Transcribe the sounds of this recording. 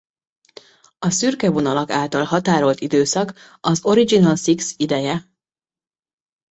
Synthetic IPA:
ɒsyrkɛvo̞nɒlɒkaːlt̪ɒlɦɒt̪aːɾo̞lt̪id̪øːsɒk | ɒzo̞ɾid͡ʒinɒlsiksid̪ɛjɛ

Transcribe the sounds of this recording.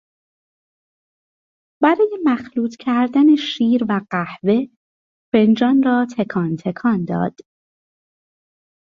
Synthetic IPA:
b̥æɾɒːje̞mæxluːt̪ʰcʰæɾd̪æne̞ʃiːɾvæɢæhve̞ | fe̞nd͡ʒɒːnrɒːt̪ʰekʰɒːnt̪ʰe̞kʰɒːnd̪ɒ̰ːd̪̥

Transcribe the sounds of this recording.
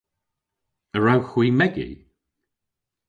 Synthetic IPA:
əɹawxwiːmɛɡḭ

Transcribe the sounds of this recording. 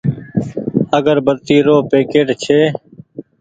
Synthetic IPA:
əɡəɾbəɾt̪iːɾoːpeːkeːʈt͡ʃʰeː

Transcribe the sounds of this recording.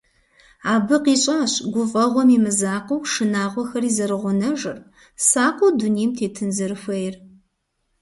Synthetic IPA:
aːbɨqiːɕʼaːɕɡʷʊfʼɐʁʷɔmimɨzaːqɐwʂɨnaːʁʷɔxɐriːzɐɾɨʁʷʊnɐʒɨr | saːqʷʊdunijmtʰeːtʰɨnzɐɾɨxʷɐjɪr

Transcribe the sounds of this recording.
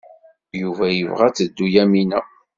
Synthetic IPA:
juvæjəvʁæt͡sːəd̪ːujæminæ

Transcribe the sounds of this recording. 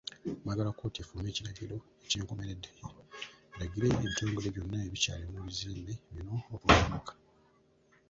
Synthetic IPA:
maɡalako̞ːtiafuːme̞ːciɾaɟiɾo̞ | eceːŋko̞me̞ɾe̞dːe | eɾaɟiɾe̞ento̞ːŋɡeleβjo̞nːaeβica̰ːlimuβiziːmbeβino̞ːkuaβakḁ

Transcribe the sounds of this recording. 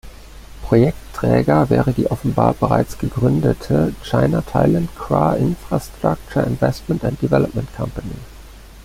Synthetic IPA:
pʁ̥ojɛk̚tʰːʁ̥ɛːɡɐvɛːʁədiːʔɔfn̩ba̰ːɐbəʁa̰ɪt͡sɡ̥əɡʁʏndətʰət͡ʃaɪnatʰa̰ɪlantkʰʁ̥a̰ːʔɪnfʁ̥astʁ̥ak̚t͡ʃəɪnvɛstmɛntant̚d̥ivɛlɔp̚mɛntkʰampani

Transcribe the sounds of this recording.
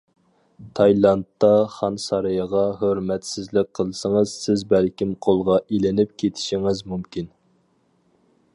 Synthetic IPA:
t̪ʰɑjlˠɑnt̪ːɑχɑnsɑɾɨjɑʁɑɦøɾmɛt̪sɪzlɪk̚ʲqʰəlˠɨsəŋəz̥sɪzbælkʲimqʰolˠʁɑʔilɪnɪp̚kʲʰet̪ʰɪ̥ʃiŋɪzmumkʲin

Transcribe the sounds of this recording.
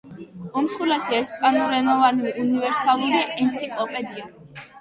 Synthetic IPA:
ɔmsχulɛsiɛspʼanuɾɛnɔvanɾiʔunivɛɾsalˠuɾiʔɛnt̪sʰikʼlˠɔpʼɛd̪ia

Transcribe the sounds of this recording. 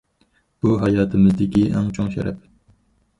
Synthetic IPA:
b̥uɦɑjɑːt̪ʰɨmɪzd̪ɪkʲiʔɛ̰ŋt͡ʃʰoŋʃɛ̰ɾɛ̰p̚

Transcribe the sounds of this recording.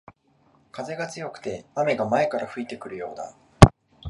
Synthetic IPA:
kaze̞ɡat͡sɨjo̞kɯ̟̥t̪e̞ame̞ɡamae̞kaɾaɸɯ̟it̪e̞kɯ̟ɾɯ̟jo̞̰ːd̪a̰

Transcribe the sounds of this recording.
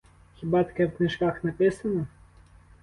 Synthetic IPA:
xʲibat̪ɐ̥kɛwknʲiʂkaxnapʲisɐnɐ

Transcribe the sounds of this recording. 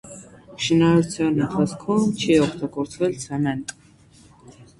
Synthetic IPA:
ʃinɑɾut͡sʰjɑnənt̪ʰɑt͡sʰkʰumt͡ʃʰiɔkʰt̪ɑɡɔɾt͡sʰvɛlt͡sʰɛmɛnt̪ʼ

